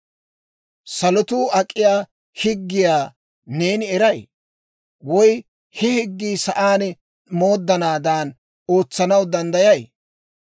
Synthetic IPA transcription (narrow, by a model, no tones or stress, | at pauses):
sɐlɔt̪uːʔɐkʼːɪjaː | hɪɡːɪjaː | neːnɪɛɾɐj | wɔj | hɛhɪɡːiːsɐʔaːn | moːd̪ːɐnaːd̪aːn | o̞ːt͡sːɐnɐwd̪ɐnd̪ɐjɐj